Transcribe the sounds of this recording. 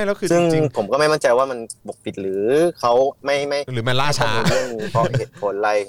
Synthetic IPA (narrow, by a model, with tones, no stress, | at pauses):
a˥˩jlɛ˦˥kʰɯː˧sɯ˥˩ŋpʰo˩˦mkɔː˥˩ma˥˩jma˥˩nt͡ɕa˧jwaː˥˩ma˧nbo˨˩k̚pʰi˨˩t̪̚ɾɯː˩˦kʰa˦˥wma˥˩jma˥˩jɾɯː˩˦ma˧laː˥˩t͡ɕʰa˧˩˧o˧ɯ˥˩ŋi˧pʰɔ˦˥heː˨˩t̪̚kʰo˨˧˦nla˧˩j